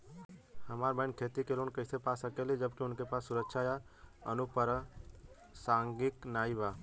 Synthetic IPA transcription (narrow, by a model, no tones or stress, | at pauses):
həmaːɾbə̃ɪnkʰeːt̪ikelunkəɪsepaːsəkelid͡ʒəb̚kiʊnkepaːsːʊɾəkʃʰaja | ə̰nupəɾə | sãːŋɡɪknaːibaː